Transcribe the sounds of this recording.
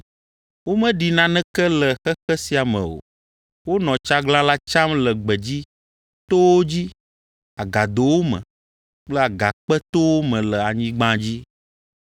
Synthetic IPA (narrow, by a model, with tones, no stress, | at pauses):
wo˦mɛ̃˦ɖi˨nã˦nɛ̃˦kɛ˦lɛ˨xɛ˦xɛ˦si˦a˨mɛ̰̃˨wo̰˨ | wo˦nɔ̃˨t͡ʃa˦ɡlã˦la˦t͡ʃa˦mlɛ˨ɡ͡bɛ˨d͡ʑi˦ | t̪o˦wo˦d͡ʑi˦ | a˨ɡa˨d̪o˨wo˦mɛ̰̃˨ | k͡plɛ˦a˨ɡa˨k͡pɛ˦t̪o˦wo˦mɛ̃˨lɛ˨a˨ɲĩ˦ɡ͡bã˦d͡ʑi˦